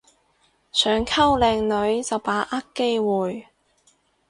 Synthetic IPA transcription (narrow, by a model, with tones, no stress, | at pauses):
sœː˨˧ŋkʰɐ˥wlɛː˨˧ŋlɵ˨˧ɥt͡sɐ˨wpaː˨˥ʔɐ˥kːe˥jwuː˨j